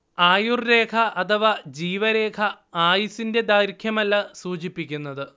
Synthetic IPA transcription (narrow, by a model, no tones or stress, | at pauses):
aːjurɾe̞ːkʰɐʔɐt̪ʰɐʋad͡ʑiːʋɐɾe̞ːkʰɐ | aːjisinde̞d̪aːjɾkʰjɐmɐlːɐsuːt͡ɕipːikʲːunːɐðɨ